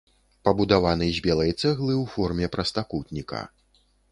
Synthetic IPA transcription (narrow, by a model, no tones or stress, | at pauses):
pɐbud̪avanɨzʲbʲɛlˠɐjɛt͡sʲaɣlˠɨwfɔrmʲɛpɾɐst̪akut̪ʲnʲikɐ̰